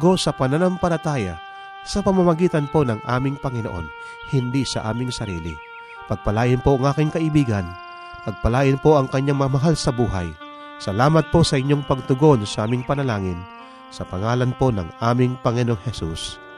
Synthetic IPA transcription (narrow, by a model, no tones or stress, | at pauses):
ɡo̞sɐpɐnanampɐlɐt̪aːja̰ | sɐpɐmamɐɡiːt̪ɐnpo̞nɐŋʔa̰ːmɪŋpɐŋɪnoʔo̰n | hɪnd̪isɐ̰ʔa̰ːmɪŋsɐɾiːlḭ | pɐɡ̚pɐlaːjɪnpoʔɐŋʔaːkɪŋkɐʔɪbiːɡɐn | pɐɡ̚pɐlaːjɪnpo̞ʔɐŋkɐɲːaŋmɐmɐɦalsɐbuːɦa̰j | sɐlaːmɐt̪̚posɐʔɪɲːoŋpɐɡ̚t̪ʊɡo̞nsɐʔaːmɪŋpɐnɐlaːŋɪn | sɐpɐŋaːlɐnpo̞nɐ̰ŋʔaːmɪŋpɐŋɪnoʔoŋhɛsṵs